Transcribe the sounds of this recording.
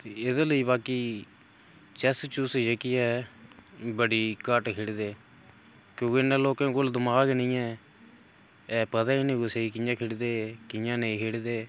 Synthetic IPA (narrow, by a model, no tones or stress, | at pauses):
t̪eːɪd̪eːləiːbaːkiː | t͡ʃɛst͡ʃusd͡ʒəkiɛː | bəɽiːkəʈkʰeːɽd̪eː | kjõːkeɪnːãːloːkãːkʊld̪ʊmaːkenĩːɛː | ɛːpət̪aːiːnĩːɡʊseːiːkɪjãːkʰeːɽd̪eːkɪjãːneiːkʰeːɽd̪eː